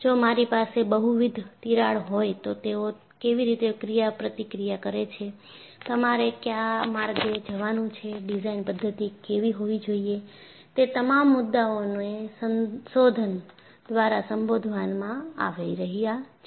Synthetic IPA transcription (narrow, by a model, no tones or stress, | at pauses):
d͡ʒomaɾipasebəɦuʋid̪ʱt̪iɾaɭɦojt̪ot̪eo | keʋiɾit̪ekɾijapɾət̪ikɾijakəɾet͡ʃʰe | t̪əmaɾekjamaɾɡed͡ʒəʋanũt͡ʃʰeɖizainpəd̪ʱːət̪ikeʋiɦoʋid͡ʒoije | t̪et̪əmamːʊd̪ːaonoesənsod̪ʱən | d̪ʋaɾasəmbod̪ʱʋanmãa̰ʋeɾəɦija